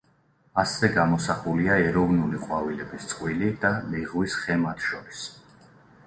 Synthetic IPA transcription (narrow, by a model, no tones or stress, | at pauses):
asɛɡamɔsaχuliaɛɾɔvnuliqʼwavilɛbist̪sʼqʼwilid̪aliʁwisχɛmat̪ʰʃɔɾis